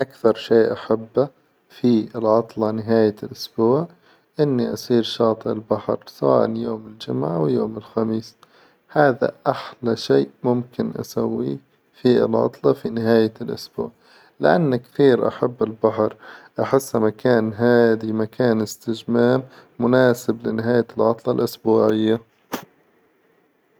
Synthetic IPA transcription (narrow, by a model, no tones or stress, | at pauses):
ʔakθɑɾˤʃeːʔaħabːa | fiɪlʕɑt̪ˤlɑnɪɦaːjalʔʊsbuːʕ | ʔɪnːiʔasˤiːɾʃɑːt̪ˤɨʔɪlbaħɾsawa̰ːʔanjoːmɪld͡ʒʊmʕaʔawjoːmɪlxamiːs | haːða̰ʔaħlaʃeːʔmʊmkɪnʔa̰sawːḭ | fiɪlʕɑ̰t̪ˤlɑfinɪɦaːjalʔʊsbṵːʕ | lɪʔanːakθiːɾʔa̰ħabːɪlbaħɾʔaħɪsːmakaːnɦaːd̪imakʰaːnɪst̪ɪd͡ʒmaːmːʊnaːsɪblɪnɪɦaːjalʕɑt̪ˤlɑlʔʊsbuːʕɪjːa